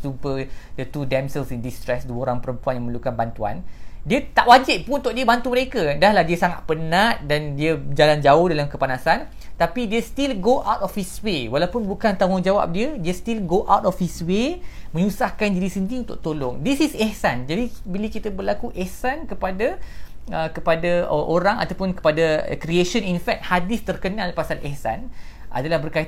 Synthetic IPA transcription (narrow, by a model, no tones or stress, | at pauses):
supədət̪udɛmsəlsindist̪ɾɛsduəoɾaŋpəɾəmpuanjãŋmə̃lukanbant̪ua̰ndiət̪aʔwad͡ʒɪp̚pununt̪ʊʔ̚diəbant̪uməɾekədaɦlahdiəsaŋa̰t̪̚pənaʔ̚dandiəd͡ʒaland͡ʒaʊhdalamkəpanasan | t̪apidiəst̪ilɡoʔawtɔfiswewalawpʊnbukant̪amʊŋd͡ʒawa̰p̚diədiəst̪ilɡoʔa̰wt̪ɔfiswemə̃ɲusahkand͡ʒidisəndiunt̪ʊ̰k̚t̪olɔŋdisisɛhsand͡ʒadibilikit̪əbərlakuʔɛhsankəpadaəkəpadaʔoɾaŋa̰t̪awpʊnkə̥pada̰kɾieʃəninfɛk̚t̪̚hadist̪ərkənalpasalʔɛhsa̰nʔa̰dalahbərka